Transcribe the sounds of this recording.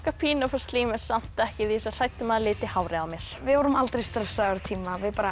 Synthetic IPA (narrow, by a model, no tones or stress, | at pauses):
kapʰiːnɔfast̪liːmɛ̥sam̥t̪ɛhcɪðisar̥ajt̪ʏmaðlɪːt̪ɪhawɾɪawmjɛɾ̥vɪɔwɾʏmalt̪ɾejst̪ɾɛsaɾt̪ʰiːmavɪðpaːɾa